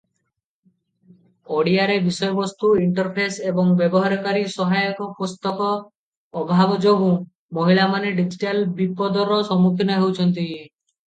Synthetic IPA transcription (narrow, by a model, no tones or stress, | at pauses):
oɽiaɾebisɔjɔbɔst̪uiɳʈɔɾpʰesebɔŋbjebɔɦaɾɔkaɾisɔɦajɔkɔpust̪ɔkɔː | bʱabɔd͡ʒoɦũ | mɔɦiɭamaneɖid͡ʒiʈalbipɔd̪ɔɾɔsɔmukʰinɔɦewt͡ʃʰɔnt̪̬i